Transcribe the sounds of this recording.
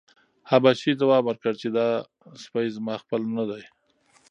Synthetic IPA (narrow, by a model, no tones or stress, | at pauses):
habaʃid̪awɑbwaɾkəɽt͡ʃed̪ɑ | spaizmɑxpəlnad̪aj